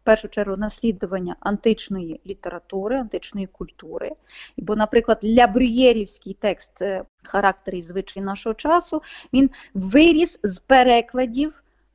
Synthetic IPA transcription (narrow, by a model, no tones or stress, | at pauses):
pɛrʃʊt͡ʃɛrɦʊnɐsʲlʲid̪ʊʋɐnʲːɐʔɐnt̪ɪt͡ʃnɔjilʲit̪eɾɐt̪uɾɪɐnt̪ɪt͡ʃnɔjikʊlʲt̪uɾɪ̰ | bɔnɐpɾɪklˠɐd̪lʲɐbɾʲʊjɛɾʲiwsʲkɪjt̪ɛkst̪ | xɐɾɑk̚t̪eɾizʋɪt͡ʃɐjinɑʃɔɦɔt͡ʃɑsʊʋʲin | ʋɪɾʲizzpeɾɛklˠɐdʲiw